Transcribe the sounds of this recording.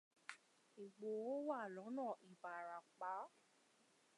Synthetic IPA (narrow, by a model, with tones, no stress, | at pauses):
i˨ɡ͡bo˨o˦wa˦˨lɔ̃˨˦nãː˦˨ʔi˨ba˨ɾa˨k͡pa˨˦